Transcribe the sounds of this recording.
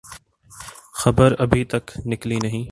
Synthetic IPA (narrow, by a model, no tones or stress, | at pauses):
xɐbəɾɐbʱit̪ɐknɪklinɐɦĩː